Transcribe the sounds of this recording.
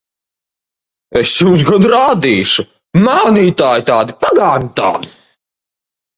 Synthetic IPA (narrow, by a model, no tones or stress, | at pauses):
esjuːs̬ɡɔd̪ɾaːd̪iːʃu | maːniːt̪aːjt̪aːd̪ipaɡaːnit̪a̰ːd̪i